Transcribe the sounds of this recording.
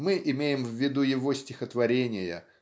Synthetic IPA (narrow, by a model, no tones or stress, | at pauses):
mɨʔɪmʲejɪmvʲːɪd̪ujɪvo̞sʲtʲɪxət̪vɐɾʲenʲɪjə̰